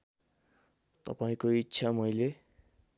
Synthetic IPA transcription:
t̪ʌ̰paĩkoitːsʰamʌjle

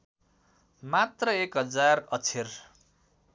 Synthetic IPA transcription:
mat̪rʌekɦʌd͡zarʌt͡sʰer

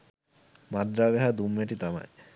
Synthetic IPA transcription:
mad̪ɾaːʋeɦad̪umːeʈit̪ama̰j

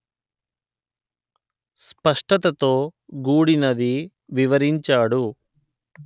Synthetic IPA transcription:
spɐʂʈɐt̪ɐt̪o̞ːɡuːɽinɐd̪i | ʋiʋɐɾiɲt͡ʃaːɽu

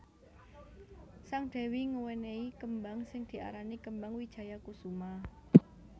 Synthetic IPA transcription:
saŋd̪̥ɛ̤wiŋuwɛneikəmbaŋsɪŋd̪̥i̤ʔa̰ɾanikəmbaŋwid̥ʒ̥ä̤jakusuma

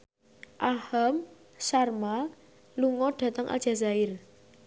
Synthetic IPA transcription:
ʔaham | sarma | luŋɔɖ̥a̤t̪əŋʔa̰lʒ̥a̤zaɪr

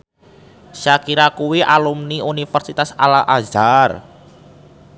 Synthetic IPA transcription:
ʃakiɾakuwiʔalumniunifərsit̪asalaʔazar

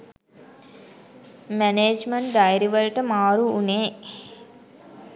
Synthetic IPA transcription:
mɛneːd͡ʒmɐɳʈ̚d̪ajɾiʋəlʈəmaːɾuːneː

